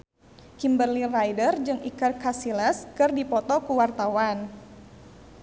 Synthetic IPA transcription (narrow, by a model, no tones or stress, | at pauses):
kimbərlirajdərd͡ʒɨŋikərkasilɛskɨrdipɔt̪ɔkuwart̪awan